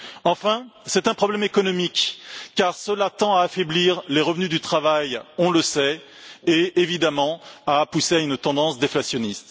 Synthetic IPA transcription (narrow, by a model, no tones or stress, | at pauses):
ɑ̃fɛ̃sɛt̪ɛ̃pχɔblɛmekɔnɔmikːaʁsəlat̪ɑ̃aːfebliʁleʁəvnyd̪yt̪χavajɔ̃ləsɛ | eevid̪amɑ̃apuseaynt̪ɑ̃d̪ɑ̃sd̪eflasjɔnist̪